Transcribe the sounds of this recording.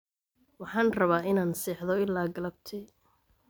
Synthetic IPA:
wɑħɑːnrɐβaːɪnaːnsɛːħðɔɪlːaːɡɐlɐb̚t̪ʰɪ

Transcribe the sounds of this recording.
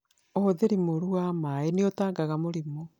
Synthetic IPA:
ohoðeɾimoɾuamaeneotaːŋɡaɣamoɾimo

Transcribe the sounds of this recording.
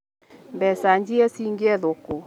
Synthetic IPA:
mbɛsaɲd͡ʒiɛsiŋɡeɛðoko

